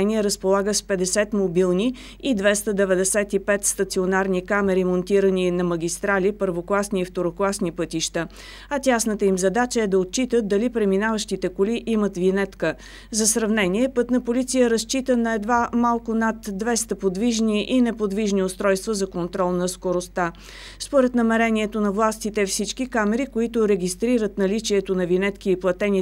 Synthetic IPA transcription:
ɛniɛɾəspolˠaɡəspɛd̪ɛsɛt̪mobilˠni | id̪vɛst̪əd̪ɛvɛd̪ɛsɛt̪ipɛt̪st̪ət̪sionaɾnikamɛɾimont̪iɾəninɐməɡʲist̪ɾalipəɾvoklˠasniːft̪oɾoklˠasnipɤt̪iʃt̪ə | ɐt̪ʲasnət̪əimzɐd̪at͡ʃəɛd̪ɐot̪̚t͡ʃit̪əd̪ɐlipɾɛminavəʃt̪it̪ɛkoliʔimət̪vinɛt̪kə | zɐsɾɐvnɛniɛpɤt̪nəpolit̪sijəɾəst͡ʃit̪ənɐɛd̪vamalˠkʊnat̪d̪vɛst̪əpod̪viʒniʔinɛpod̪viʒniost̪ɾɔjst̪vəzɐkont̪ɾɔlˠnɐskoɾost̪a | spoɾɛt̪nəmɛɾɛniɛt̪onɐvlˠast̪it̪ɛfsit͡ʃkikamɛɾikoit̪ʊɾɛɡʲist̪ɾiɾət̪nɐlit͡ʃiɛt̪onɐvinɛt̪kiːplˠɐt̪ɛni

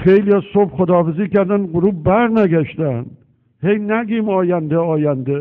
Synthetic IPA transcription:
χejlijɒsobχod̪ɒːfɪzikʲæɾd̪anɡʊɾubbaɾnaɡʲaʃd̪an | hejnæɡʲimɒːjænd̪aɒːjand̪a

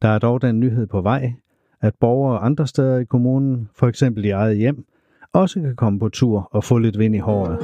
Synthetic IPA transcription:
d̥ɑ̈æɐd̥ɒʊd̥ænːyɦe̝ð̞̰ˠpʰɒ̽ʋɑ̈ɪ̰ | æd̥̚b̥ɒʊɐɒ̽ʔɑ̈nd̥ʁɐsd̥eð̞ˠɐikʰo̝muːnn̩fɒ̽eɡ̥sem̰b̥l̩d̥iɑ̈ɪð̞̩ˠəjem̰ | ɒ̽səkʰækʰɒ̽məpʰɒ̽t͡sʰuɐ̰ɒ̽fɔ̰̽ːle̝d̥ʋe̝n̰ihɒ̰ːð̩ˠ

